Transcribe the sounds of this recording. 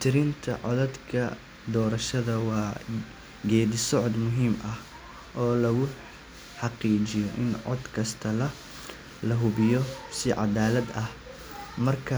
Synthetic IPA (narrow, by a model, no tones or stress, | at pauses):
t̪ʰɪɾɪnt̪ʰɐ̰ʕɔ̰ðɐd̪kʰɐ | d̪ɔːɾɐʃɐðɐwɑː | ɡɛːðɪsɔʕɔd̪mʊɦiːmʔɐh | ʔɔːlɐɣʊ | ħɑqiːt͡ʃɪjɔʔɪnʕɔ̰d̪kʰɐst̪ʰɐlɐ | lɐɦʊβɪjɔsɪʕɑ̰d̪aːlɐd̪ɐh | mɐrkʰɐ